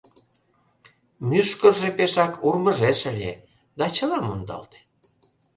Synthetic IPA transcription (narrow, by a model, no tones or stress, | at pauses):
myʃkə̆rʒepeʃɑkʰurmə̆ʒeʃəlʲḛ | d̪ɑt͡ɕə̆lɑmond̪ɑ̰lt̪e̥